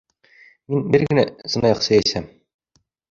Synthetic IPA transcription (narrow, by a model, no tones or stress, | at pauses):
minbɘɾɡɘ̆næsɤ̆nɑjɑqsɘ̆jæsæm